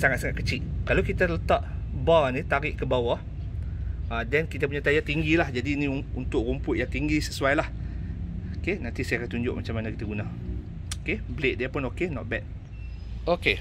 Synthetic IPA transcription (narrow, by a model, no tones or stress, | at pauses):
saŋat̪̚saŋat̪̚kət͡ʃiʔ̚kalawkit̪at̪ələt̪aʔbanĩt̪aɾɪʔkəbawah | adɛnkit̪apuɲat̪ajat̪iŋɡilahd͡ʒadinĩunt̪ʊʔɾumpʊʔ̪̚jaŋt̪iŋɡisəsuajlah | okenãnt̪isajakant̪uɲd͡ʒʊ̰ʔ̚mat͡ʃamːanakit̪aɡunã | okebleʔ̚diapʊnokenɔ̰ʔ̚bɛt̪̚ | oke